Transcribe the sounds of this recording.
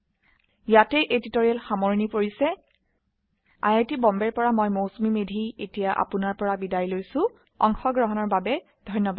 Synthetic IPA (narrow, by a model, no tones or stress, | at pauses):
jatɛʔeditoɹijalxamoɹnipoɹisɛ | a̰jajtibɔmbɛɹpɔɹamɔjmowsmimedʱietijaʔa̰pʊnaɹpɔɹabidaɹilojsʊ̃ | ɔ̰ŋxɔɡɹɔɦɔnɔɹbabɛ | d̥ʱɔjnːɔbad